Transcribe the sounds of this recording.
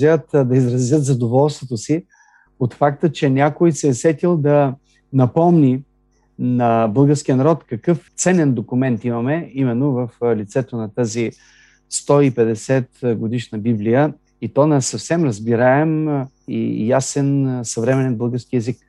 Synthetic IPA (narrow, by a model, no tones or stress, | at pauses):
ət̪d̪ɐizɾɐzʲjət̪zɐd̪ovɔlˠst̪vot̪osi | ot̪fak̚t̪ət͡ʃɛnʲakojsɛːsɛt̪ilˠd̪ɐ | nɐpɔmni | nɐbɤlˠɡəɾskijənɐɾɔt̪kɐkɤft̪sɛnɛnd̪okʊmɛnt̪imɐmɛimɛnːovɐflit̪sɛt̪onɐt̪azi | st̪ɔipɛd̪ɛsɛt̪ɡod̪iʃnəbiblijə | it̪ɔnɛsɐfsɛmɾɐzbiɾaɛm | ḭjasɛnsɐvɾɛmɛnɛnbɤlˠɡəɾsk̟iɛzik